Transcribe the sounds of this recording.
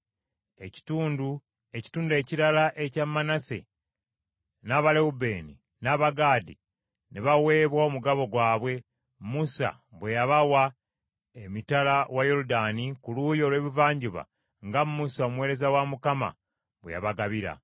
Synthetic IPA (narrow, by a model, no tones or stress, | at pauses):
e̞ci̥tuːndu | e̞ci̥tuːndue̞ciɾalaʔecamːanase̞̰ | naːβaleubeːni | naːβaɡaːdḭ | neβawe̞ːβwaomuɡaβo̞ɡwaːβwe̞ | musa̰ | βwe̞jaβawa | emitalawajo̞ludanikuluːjo̞ːlwe̞ːβivaːɲɟuβa̰ | ŋɡammusao̞mwe̞ːɾe̞zawamukama̰ | βwḛja̰βaɡaβiɾa̰